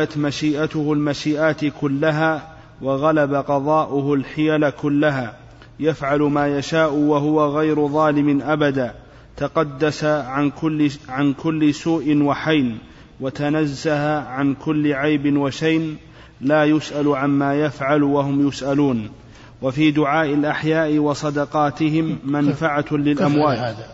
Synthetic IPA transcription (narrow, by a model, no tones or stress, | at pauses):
at̪maʃiːʔat̪ʊhʊlmaʃiːʔaːt̪ɪkʊlːaɦaː | waɣalabaqɑðˤɑːʔʊhʊlħɪjalakʊlːaɦaː | jafʕalʊmaːjaʃaːʔʊwaɦʊwaɣajɾʊðˤɑːlɪmɪnʔabad̪aː | t̪aqɑd̪ːasaʕ | ʕankʊlːɪsuːʔɪnwaħajn | wat̪anazːahaʕankʊlːɪʕajbɪnwaʃajn | laːjʊsʔalʕanmaːjafʕalwahʊmjʊsʔaluːn | wafiːd̪ʊʕaːʔɪlʔaħjaːʔɪwɑsˤɑd̪ɑqɑːt̪ɪɦɪmːanfaʕalɪlʔʔamwaːt̪